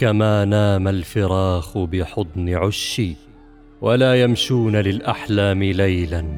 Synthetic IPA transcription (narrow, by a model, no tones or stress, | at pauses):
kamaːnaːmalfɪɾɑːxʊbɪħʊt̪ˤnɪʕʊʃːiː | walaːjamʃuːnalɪlʔaħlaːmɪlajlan